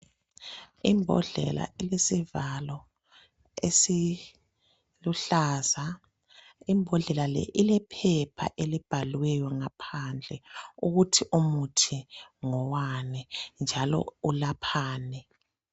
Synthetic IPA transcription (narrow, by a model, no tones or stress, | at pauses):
imbʱɔ̰ɮɛ̰la̰ʔilesivalɔ | esi | luɬaːza | imbʱɔɮɛlalɛ̰ʔilɛpʰɛpʰa̰ʔelib̥ʱalwɛjɔŋapʰand͡ɮʱɛuɣutʰiʔumutʰiŋɔwanɛnd͡ʒʱalɔ̰ulapʰaːnɛ